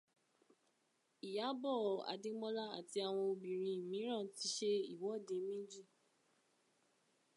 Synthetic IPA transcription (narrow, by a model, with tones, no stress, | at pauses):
i˨ja˨˦bɔ˦˨a̰˨dĩ˦mɔ̃˦la˦a̰˨ti˧a˨w̃ɔ̃˧o˧bĩ˨ɾ̃ĩ˧˨mĩ˨˦ɾ̃ã˦˨ti˨˦ʃe˦i˦˨wɔ˨˦˨de˧˦mĩ˦d͡ʒi˦˨